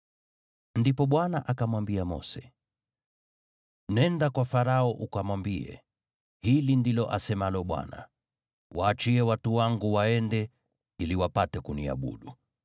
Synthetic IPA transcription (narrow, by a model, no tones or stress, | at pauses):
ndipɔɓwanaʔakamwambiamɔ̰sɛ̥ | nɛndakwafaɾaɔʔukamwambiɛ̰ | hilindilɔʔasɛmalɔɓwa̰na̰ | waːt͡ʃiɛwatuwaŋɡuwaɛndɛ | iliwapatɛkunia̰ɓṵɗu